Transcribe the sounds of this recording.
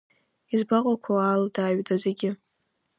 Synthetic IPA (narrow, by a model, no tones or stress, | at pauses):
izbaqʼakʷʰaaldaːɥdazeɡʲɪ